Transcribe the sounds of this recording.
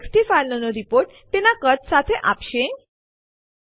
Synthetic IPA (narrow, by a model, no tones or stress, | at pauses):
ksʈifajnənɔɾipoɾʈ | t̪enakət̪sat̪ʰeʔapɕẽ